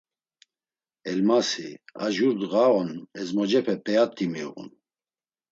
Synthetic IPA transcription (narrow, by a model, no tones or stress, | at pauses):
ɛlmasia̰ʒuɾd̪ɣaɔnɛzmɔd͡ʒɛpʰɛpʰʼɛat̪ʰʼːimiʁṵn